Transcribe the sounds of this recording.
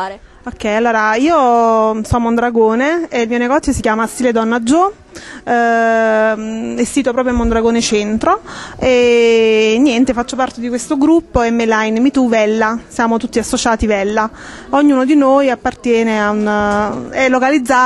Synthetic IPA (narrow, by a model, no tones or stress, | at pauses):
okːɛjalːoːɾaiːosɔmond̪ɾaɡoːneeilmiːoneɡɔt̪sjosikjaːmast̪iled̪ɔnːad͡ʒo | esːiːt̪opɾɔːpɾjomːond̪ɾaɡoːnet͡ʃɛnt̪ɾoe | nːjɛnt̪efat͡ʃːopart̪ed̪ikwest̪oɡɾupːoɛmːelainmit̪uvɛlːasjaːmot̪ut̪ːiasːot͡ʃaːt̪ivɛlːa | oɲːuːnod̪inoːjapːart̪jɛːneaun | ɛlːokalid̪zːa